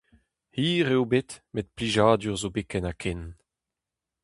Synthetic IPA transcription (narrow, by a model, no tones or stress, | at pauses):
hiːʁewbetmet̪̚pliʒaːd̪yʁzobekɛnakʰen